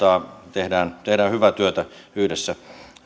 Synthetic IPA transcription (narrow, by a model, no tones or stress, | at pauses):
ɑːt̪ehdæːnt̪ehdæːhyʋæt̪yøt̪æyhdesːæ